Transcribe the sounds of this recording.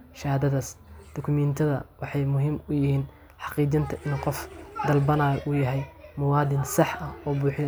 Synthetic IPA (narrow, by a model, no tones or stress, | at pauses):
ʃɐːd̪ɐðɐsd̪̥ɔkʰʊmɛnt̪ʰɐðɐ̰wɑħɑjmʊɦiːmʊjɪhiːn | ħɑqiːt͡ʃɐnt̪ʰɐʔɪnqɔfd̪ɐlbɐnaːjɔʔʊjɐɦɛjmʊwɑːd̪ɪnsɑħɐɔːbuːħɪn